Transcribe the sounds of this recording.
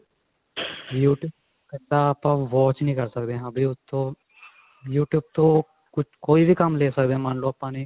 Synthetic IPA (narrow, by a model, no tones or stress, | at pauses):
juːʈjuːb̚ | ɛt̪apãʋɔːt͡ʃnĩːkɐɾsɐkd̪ẽɐbʱiʊt̪ʰo | juːʈjuːb̚t̪o | kʊt͡ʃkoːibʱikɐmleːsɐkd̪ẽːmaːnloɐpːaːni